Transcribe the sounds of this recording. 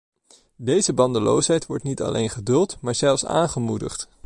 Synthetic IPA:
dejzəbɑndəlo̰wsɦɛjtʋɔɹtnitɑ̰lʔḛjnχədɵlˠtmaːɹzɛlˠfsa̰ːnχəmudə̰χt

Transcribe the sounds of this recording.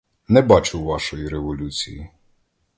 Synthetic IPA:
nɛbɑt͡ʃʊwʋɑʃɔjiɾeʋɔlʲut͡sʲḭji

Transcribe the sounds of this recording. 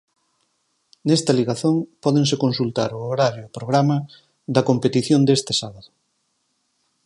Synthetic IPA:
nɛst̪ɐliɣaθoŋpɔðeŋsekonsult̪a̰ɾʊoɾaɾjoːpɾoɣɾamɐ | ðɐkompet̪iθjond̪est̪ɪsaβaðʊ

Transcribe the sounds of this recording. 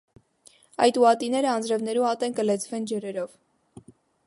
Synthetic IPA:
ɑ̰jt̪uɑt̪inɛɾəɑnd͡zɾɛvnɛɾuɑt̪ɛnkəlɛt͡sʰvɛnd͡ʒɛɾɛɾɔv

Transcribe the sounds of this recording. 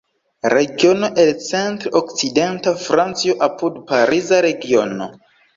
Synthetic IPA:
ɾe̞ɡio̞no̞ʔe̞lt͡se̞ntɾokt͡side̞ntafɾant͡sioʔapudpaɾizaɾe̞ɡio̞no̞̰

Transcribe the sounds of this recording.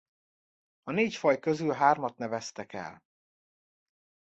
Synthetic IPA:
ɒneːcfɒjkøzylɦaːrmɒt̪nɛvɛst̪ɛkɛ̰l

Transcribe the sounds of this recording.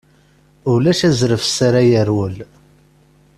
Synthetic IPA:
ʊlæʃæzɾəfsaɾajəɾwəl

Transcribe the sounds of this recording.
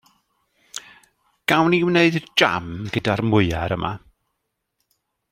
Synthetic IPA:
ɡ̥awniwneɨðd͡ʒa̰mɡədarmʊɨaɾəmʔa̰

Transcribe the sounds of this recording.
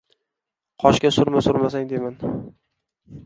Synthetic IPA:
qʰɒʃkʲasʊɾmasʊɾmasaŋd̪eman

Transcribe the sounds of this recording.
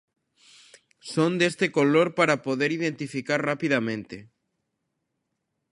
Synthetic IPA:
sõnd̪est̪ekoloɾpaɾapoðeɾiðent̪ifikaɾrapiðamẽnt̪e

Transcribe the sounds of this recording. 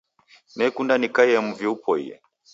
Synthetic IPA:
nɛkundanikaiɛmuviupɔḭjɛ̰

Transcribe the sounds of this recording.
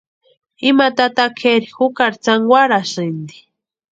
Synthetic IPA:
imat̪at̪akʰeɾixukaɾt͡saŋɡwaɾasɨnd̪i̥

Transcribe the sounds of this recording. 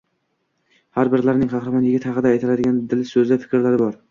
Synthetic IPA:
haɾbɪɾlaɾnɪŋqʰɑχɾɪmanjɪɡʲɪt̪hɑqɨd̪aːjt̪ʰɪlad̪ɪɡʲand̪ɪlɪsɵzafɪ̥kʲʰɾlaɾɪbɒɾ

